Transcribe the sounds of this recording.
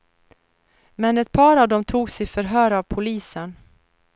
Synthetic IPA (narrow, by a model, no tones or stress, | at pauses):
mɛnɛt̪̚pʰɑːɾavd̪ɔmt̪ʰuːɡsɪfœɾɦœːɾavpʰʊliːsən